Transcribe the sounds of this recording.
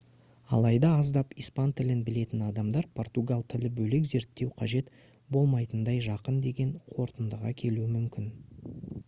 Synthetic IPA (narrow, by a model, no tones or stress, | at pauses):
ɑ̰lˠɑjd̪ɑɑzd̪ɑpijspɑnt̪ʰɪlɪnbɪle̞t̪ɪnɑd̪ɑmd̪ɑɾpʰo̞rt̪uɡalˠt̪ʰɪlɪbɵlekze̞ɾt̪ːe̞wqʰɑʒe̞t̪ | bo̞lˠmɑjt̪ənd̪ɑjʒɑqənd̪e̞ɡʲe̞ɴqʰo̞ɾt̪ənd̪əʁɑkʲʰe̞luɪmʏmkʲɪn